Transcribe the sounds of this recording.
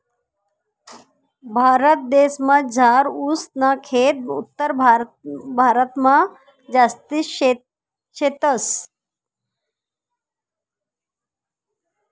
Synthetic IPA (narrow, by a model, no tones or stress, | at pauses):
bʱaːɾət̪̚d̪eːsmad͡zʱaːɾusnakʰeːt̪̚ut̪ːəɾbʱabʱaːɾət̪mã | d͡ʒast̪i | ʃet̪əs